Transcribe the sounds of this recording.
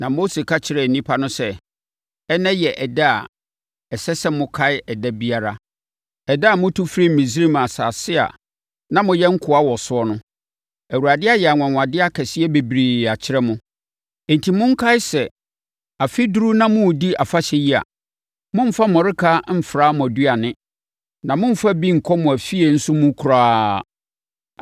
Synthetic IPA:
nã˨mo˦se˨kʰa˦t͡ɕʰɪ˦ɾɛ˦˨nĩ˦pʰa˦nʊ̃˦sɛ˦ | ɛ˦nɛ̃˦jɛ˨ʔɛ˨da˦a̰˨ | ɛ˨sɛ˦sɛ˦mʊ̃˦kʰa˦ɪ˦ɛ˨dɛ˦bi˦a˨ɾa˦ | ɛ˨da˦˨mʊ̃˦tʰu˦fɾi˦m̩˨mĩ˨s̬ɾi˦m˨a˨saː˨sɪ˦a̰˨ | nã˦mʊ̃˨jɛ̃˦ŋ̩˦kʰʊ˨a˦wɔ˨sʊ˦ɔ˦nʊ̃˦ | æ˨wu˨ɾa˨dɪ˦a˦jɛ˨a˨ŋʷ˨ã˨ŋʷ˨ã˨dɪ˦a˦kʰɛ˨sɪ˦ɛ˦be˨bɾi˨a˨t͡ɕʰɪ˦ɾɛ˦mʊ̃˦˨ | n˨tʰi˨mʊ̃˦ŋ̩˦kʰa˦ɪ˦sɛ˨ | a˨fi˦du˦ɾu˦nã˦mʊ̃˦˨di˦a˨fa˦ɕɛ˦ji˦a̰˨ | mʊ̃˦m̩˦fa˦mɔ̃˨ɾɪ˦kʰa˦m̩˦fɾaː˦mʊ̃˨æ˨du˦a˨nɪ̃˦ | nã˨mʊ̃˦m̩˦fa˦bi˦ŋ̩˨kʰɔ˦mʊ̃˨æ˨fi˦e˨n̩˦sʊ˦mʊ̃˦kʰu˨ɾaː˦

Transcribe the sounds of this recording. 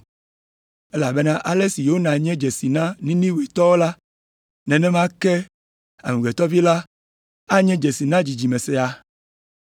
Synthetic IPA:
ɛ˦la˨be˦nã˦ʔa˨lɛ˦si˨je˨˦o˦nã˨ɲɛ̃˦d͡ʒɛ˨si˨nã˦nĩ˦nĩ˦we˨t̪ɔ˦wo˦la˦ | nɛ̃˨nɛ̃˦mã˦kɛ˦ | a̰˨mũ˨ɡɛ˨t̪ɔ˦vi˦la˦ | a˦ɲɛ̃˦d͡ʒɛ˨si˨nã˦d͡ʑi˨d͡ʑi˨mɛ̃˨sɛ˨a˨

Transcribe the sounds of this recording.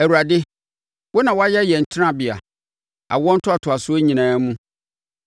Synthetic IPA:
æ˨wu˨ɾa˨dɪ˦ | wʊ˦nã˨wɔ˦a˦jɛ˦jɛ˨ɲ̩˨t͡ɕʰɪ˦ã˦˨bɪ˨a̰˨ | a̰˨wɔ̃˦n̩˦tʰʊ˦a˨tʰʊ˨a˨sʊ˦ɛ˦ɲĩ˨nãː˨˦mũ˦

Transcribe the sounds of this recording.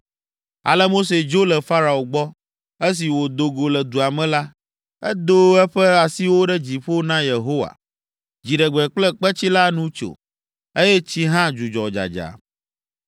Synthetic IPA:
a̰˨lɛ˦mo˦s̬e˨d͡ʒo˦lɛ˨fa˦ɾa˨o˨ɡ͡bɔ˦ | e˦s̬i˨wo˨d̪o˨ɡo˨lɛ˨d̪u˨a˨mɛ̃˨la˦ | ɛ˦d̪o˦ɛ˦ɸɛ˦a˨si˦wo˦ɖɛ˦d͡ʑi˨ɸo˦nã˦je˨ɦo˦wa̰˨ | d͡ʑi˨ɖɛ˨ɡ͡bɛ˨k͡plɛ˦k͡pɛ˦t͡ɕi˦la˦nũ˦t͡ʃo̰˨ | e˦jɛ˦t͡ɕi˦ɦã˦d͡ʒu˨d͡ʒɔ˨d͡ʒa̰˨d͡ʒa̰˨

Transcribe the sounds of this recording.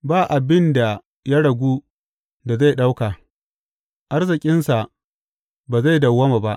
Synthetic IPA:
baː˦˨ʔa˨bɪ˦nda˨ | ja˦ɽɐ˨ɡʷuː˦ | da˨za˦˨jɗa˦wka˨ | ʔa˦rzɪ˨kʲʼɪ˦nsa˨ | baː˨za˦˨jdɐ˨wːɐ˦ma˨ba˦ʔ

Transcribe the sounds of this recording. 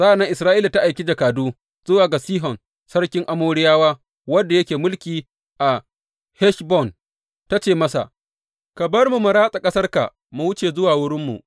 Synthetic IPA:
sa˦a˨na˦ʔɪ˨sɾaː˦ʔiː˦la˨ta˦ʔa˨jkʲi˦d͡ʒa˨kaː˨duː˦ | z̥ʊ˦waː˨ɡa˨siː˦ɦɔ˨n | sɐ˦ɽkʲɪ˦ŋʔa˦moː˦ɽɪ˦jaː˦waː˦ | wɐ˦dːa˨jɐ˦kʲeː˨mʊ˦lkʲiː˨ | ʔa˨ | hɛ˦ʃbɔ˦˨n | ta˦t͡ʃeː˨mɐ˦sa̰˨ʔ | ka˨bɐ˦rmu˨mʊ˨ɾaː˦sʼa˨kʼɐ˦sɐ˦rka̰˨ | mʊ˦wʊ˦t͡ʃeː˨zʊ˦waː˨wʊ˦ɽɪ˦mːṵ˨ʔ

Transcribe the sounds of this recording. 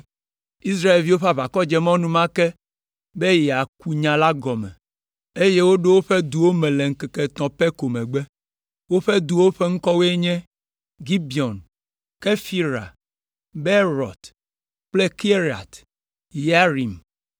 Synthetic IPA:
i˦s̬ɾa˦e˨lvi˦wo˦ɸa˦βa˨kɔ˦d͡ʒɛ˦mɔ̃˦nũ˦mã˦kɛ˦ | be˦jɛ˨a˨ku˦ɲã˨la˦ɡɔ˨mɛ̰̃˨ | e˦je˦wo˦ɖo˦wo˦ɸe˦d̪u˨wo˦mɛ̃˨le˨ŋ̩˦kɛ˨ke˨t̪ɔ̃˨pɛ˦ko˨mɛ̃˨ɡ͡be˦ | wo˦ɸe˦d̪u˨wo˦ɸe˦ŋ̩˦kɔ˦we˦e˦ɲɛ̃˦ | ɡi˦bi˨ɔ˨n | ke˦fi˦ɾa̰˨ | be˦ɾɔ̰˨t̪ | k͡ple˦ki˦e˦ɾi˨a̰˨t̪ | ja˦ɾi˨m

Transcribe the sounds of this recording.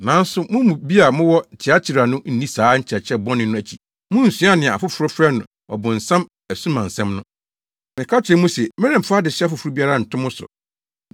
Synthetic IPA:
nã˨˦n̩˦sʊ˦mʊ̃˦mũ˨bi˦a˨mʊ̃˦wɔ˦˨t͡ɕʰɪ˨a˦t͡ɕʰi˨ɾa˨nʊ̃˦n̩˦nĩ˦saː˨˦ɲ̩˦t͡ɕʰɛ˨t͡ɕʰɛ˦bɔ̃˦nɪ̃˦nʊ̃˦æ˨t͡ɕʰi˨ | mʊ̃˦n̩˨sĩ˦a˦nɪ̃˨a˨fʊ˦fʊ˨ɾʊ˦fɾɛ˦nʊ̰̃˨ | ɔ̰˨bʊ̃˨n̩˨sã˦m | æ˨sũ˦mã˨n̩˨sɛ̃˦mnʊ̃˦ | mɪ̃˨kʰa˦t͡ɕʰɛ˨˦mũ˦sɛ˨mɛ̃˦ɾɛ̃˨m̩˨fʊ˦a˦dɪ˨sɪ˦a˦fʊ˨fʊ˨ɾʊ˦bi˦a˦ɾa˦˨n̩˨tʰʊ̃˦mʊ̃˦sʊ̰˨

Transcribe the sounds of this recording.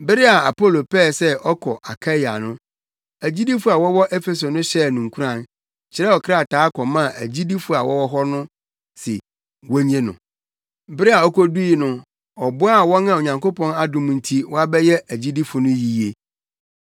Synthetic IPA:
bɪ˦ɾɪ˦a˨a˨po˦˨lo˨pʰɛː˦˨sɛ˦ɔ˦kʰɔ˨ʔa˨kʰa˦ja̰˨nʊ̃˦ | æ˨d͡ʑi˦di˦fʊ˦a˨wɔ˦wɔ˦ʔɛ˦fɛ˨s̬o˨nʊ̃˦ɕɛ˦˨nũ˨ŋ˨kʰu˦ã˦˨n | t͡ɕʰɪ˨ɾɛ˦ɔ˨kʰɪ˦ɾa˦˨tʰaː˨˦kʰɔ˨mã˦˨ʔæ˨d͡ʑi˦di˦fʊ˨˦a˨wɔ˦wɔ˦ɦɔ˦nʊ̃˦ | sɪ̰˨ | wɔ˦ɲ˦ẽ˦nʊ̰̃˨ | bɪ˦ɾɪ˦a˨ɔ˦kʰɔ˦du˦i˨nʊ̃˦ | ɔ˨bʊ˦a˨wɔ̃˦nã˦˨o˨ɲã˨ŋko˦pɔ̃˦na˦dʊ̃˨m̃˨˦n̩˦tʰi˦wɔ˦a˦bɛ˦jɛ˦æ˨d͡ʑi˦di˦fʊ˨nʊ̃˦ji˦je˨

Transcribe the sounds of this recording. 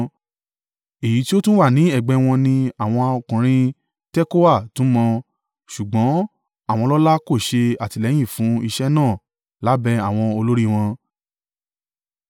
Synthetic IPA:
e˨ji˨˦ti˦o˦tũ˦wa˦˨nĩ˨˦ɛ˦˨ɡ͡bɛ˧w̃ɔ̃˧nĩ˧a˨w̃ɔ̃˧o˧kũ˨ɾ̃ĩ˦ | tɛ˦ko˦wa˦˨tũ˨˦mɔ̃˧ | ʃu˨ɡ͡bɔ̃˨˦ | a˦˨w̃ɔ̃˧lɔ˦la˦ko˦˨ʃe˧a˨ti˧lɛ˨˦j̃ĩ˦˨fũ˨˦i˧ʃɛ˦nãː˦˨ | la˨˦bɛ˧a˨w̃ɔ̃˧o˧lo˦ɾi˦w̃ɔ̃˧

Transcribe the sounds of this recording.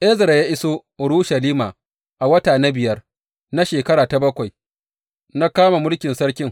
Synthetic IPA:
ʔɛ˦zɐ˨ɾjaː˦ʔɪ˦soː˦ | ʊ˨ɽuː˦ʃɐ˨liː˦maː˨ | ʔa˨wɐ˦taː˨na˦bɪ˨jɐ˦r | na˦ʃeː˨kɐ˦ɾɽaː˨ta˨bɐ˦kʷa˨j | na˦kaː˦ma˨mʊ˦lkʲɪ˨nsɐ˦ɽkʲɪ˦ŋ

